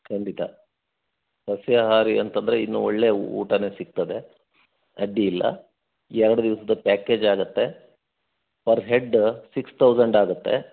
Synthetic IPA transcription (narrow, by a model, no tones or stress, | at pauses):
kʰɐɳɖit̪ɐ | sɐsjɐɦaːɾiɐnt̪ɐnd̪ɐɾeinːṵoɭːe̞ṵːʈɐne̞sik̚t̪ɐd̪e̞ | ɐɖːiːlːɐ̰ | ɛɾɐɽud̪iʋɐsɐd̪ɐpaːke̞ːd͡ʒaːɡut̪ːe̞ | pɐɾɦe̞ɖsikst̪ʰɐwd͡ʒɐɳɖaːɡut̪ːe̞